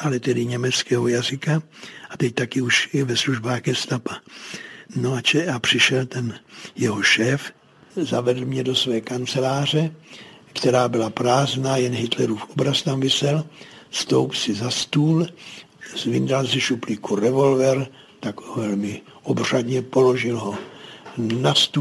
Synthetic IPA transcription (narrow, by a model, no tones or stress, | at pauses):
ʔalɛt̪ɛdɪɲɛmɛt͡skɛːɦojazɪkaat̪ɛc̚t̪akɪuʃvɛsluʒbaːɣɡɛst̪apa | noat͡ʃɛapr̝̥ɪʃɛlt̪ɛnjɛɦo̞ʃɛːf | zavɛd̪lmɲɛdo̞svɛːkant͡sɛlaːr̝ɛkt̪ɛɾaːbɪlapɾaːznaːjɛnɦɪt̪lɛɾuːfobɾast̪amvɪsɛlst̪o̞wpsɪzast̪uːl | zvɪndalzɛʃuplikuɾɛvo̞lvɛɾ | t̪aɡovɛlmɪ | ʔobr̝̥ad̪ɲɛpo̞lo̞ʒɪlɦo̞ | nast̪u